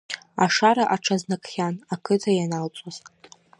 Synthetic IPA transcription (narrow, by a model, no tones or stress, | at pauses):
aʂaɾaʔaʈ͡ʂʰaznakʼχʲanakʰɨtʰajanalt͡sʷʼaz̥